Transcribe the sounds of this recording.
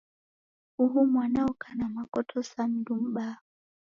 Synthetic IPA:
uɦumwanaɔkanamakɔtʰɔsan̩dum̩ɓa

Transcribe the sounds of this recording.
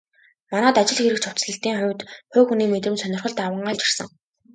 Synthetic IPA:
manæːt̪at͡ɕɪ̆ɮxeɾɘ̆k̚t͡ɕʰʊw̥t͡sɮə̆ɬt̪iːŋχʊwʲt̪χʊːkxuniːmet̪rɘ̆msœnʲɪrχə̆ɮt̪awə̆ɴɢaːɮt͡ɕɪ̥r̥sə̆ŋ

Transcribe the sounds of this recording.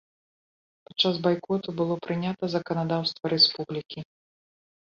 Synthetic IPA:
pḁtt͡ʂːazbajkɔt̪ubɨlˠɔpɾɨnʲat̪ɐzɐkɐnad̪awst̪vɐɾɛspublʲikʲi

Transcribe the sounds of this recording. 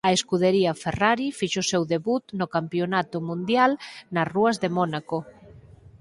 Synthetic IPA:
ɐeskuðeɾiɐferaɾifiʃosewðeβut̪nokampjonat̪ʊmũnd̪jalnɐsruɐzðemɔnako

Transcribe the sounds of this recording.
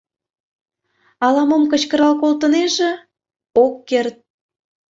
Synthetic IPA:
ɑlɑmomkə̆t͡ɕkəɾɑlkolt̪əneʒĕ | okːert̪̚

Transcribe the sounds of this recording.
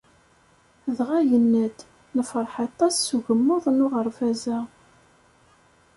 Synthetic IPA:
ðʁæjənːəd̪ | nəfəɾˤħɑt̪ˤːɑsːuʝəmːʊðˤnʊʁəɾˤfæzæ

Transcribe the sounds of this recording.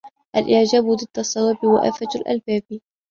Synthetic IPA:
ʔalʔɪʕd͡ʒaːbʊd̪ˤɨd̪̥ːɑsˤːɑwaːbɪwa̰ʔa̰falʔa̰lbaːbi

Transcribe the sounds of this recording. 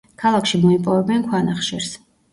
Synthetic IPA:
kʰalˠakʰʃimɔipʼɔvɛbɛnkʰwanaχʃɛɾs

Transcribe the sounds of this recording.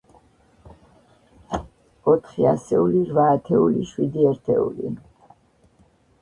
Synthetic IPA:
ɔt̪ʰχiasɛuliɾvaːt̪ʰɛuliʃwid̪iɛɾt̪ʰɛ̰ṵlḭ

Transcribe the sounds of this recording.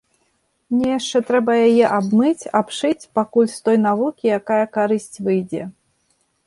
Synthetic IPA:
nʲɛjaʂt͡ʂɛt̪ɾɛbɐjajɛʔabmɨt͡sʲapʂɨt͡sʲpakulʲst̪ɔjnavukʲijakajɐkaɾɨsʲt͡sʲvɨjd͡zʲɛ

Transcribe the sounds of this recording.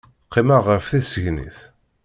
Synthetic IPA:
qːimaʁəɾfθisəʝnḭθ

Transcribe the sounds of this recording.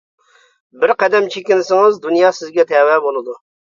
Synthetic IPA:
bɪɾqɛd̪ɛmt͡ʃʰekʲɪnɪsɪŋɨzd̪unjɑːsɪzɡʲɛt̪ʰɛwɛbolˠɨd̪u

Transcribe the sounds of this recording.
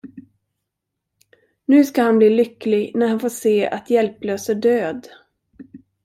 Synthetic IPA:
nʉ̟ːskahanbliːlʏkːlɪɡnæɾhanfoːʂeːa̰t̪ʰjɛlpløːsəɖøːd̪

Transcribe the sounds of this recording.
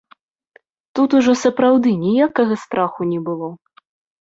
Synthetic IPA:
t̪ut̪uʐɔsɐpɾawd̪ɨnʲijakɐɣɐst̪ɾaxunʲɛbɨlˠɔ

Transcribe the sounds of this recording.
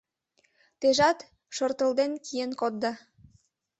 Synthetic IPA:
t̪eʒɑt̪ | ʃort̪ə̆ld̪enkʰijenkot̪̚d̪ɑ

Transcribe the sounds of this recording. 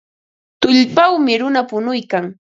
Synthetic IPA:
t̪ʊʎpawmɪɾʊnapʊnʊjkaŋ

